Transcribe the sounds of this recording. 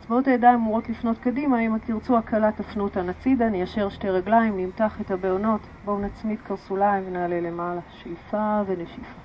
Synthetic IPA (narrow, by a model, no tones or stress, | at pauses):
at͡sbao̞tajadaimuʁo̞tlifno̞tkadimaemakiʁt͡suakʰalatafnutanat͡sidanejaʃe̞ʁʃte̞ʁaɡlaimnimtaχethabeono̞t | bo̞nat͡smitkaʁsulaiɱvenaːle̞lemalaʃejfaveneʃifa